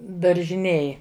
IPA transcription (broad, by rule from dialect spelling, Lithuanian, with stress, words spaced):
dɐrʲʒʲɪˈnʲeːj